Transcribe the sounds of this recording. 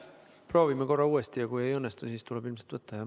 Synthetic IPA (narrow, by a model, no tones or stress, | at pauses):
pro̞ːvimeko̞rːɑuːest̪ijɑkuje̞jɤnːest̪usiːst̪ulɛbilmselt̪vɤt̪ːɑjɑ